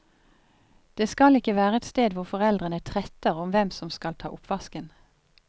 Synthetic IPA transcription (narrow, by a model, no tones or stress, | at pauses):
d̪̥eːskɑlɪkəʋæːʁəɛt̪st̪eːd̪ʋʊʁfɔʁɛld̪ʁənət̪ʰʁɛt̪əʁɔmʋɛmsɔmskɑlt̪ʰɑ̰ːʔʊpʋɑskən